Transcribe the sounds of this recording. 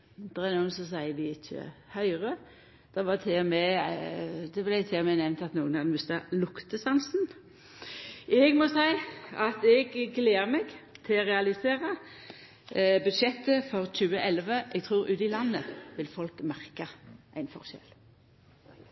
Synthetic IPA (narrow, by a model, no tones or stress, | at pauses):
d̪̥ɛʁɛnuːənsɔs̬æɪəʋɪɪc͡çːə̰hœʏʁə | d̪̥ɛʋɑt̪ʰɪmɛ | d̪ɛblæɪt̪ʰɪɔmɛnɛʋnt̪ɑt̪nuːənhɑd̪mʉst̪ɑlʊkt̪əsɑnsn̩ | ɛɡmɔsæɪɑt̪ɛɡɡleːɾmɛɡt̪ʰɪʁɛɑlɪseːʁə | bʉd̪ʃɛt̪ːəfɔʁc͡çʉːəʔɛlʋəʔɛɡ̚t̪ʰʁuːɾʉ̰ːt̪ɪlɑnːəʋɪlfɔlkmæʁkɑʔæɪnfɔ̰ʁʃɛ̰l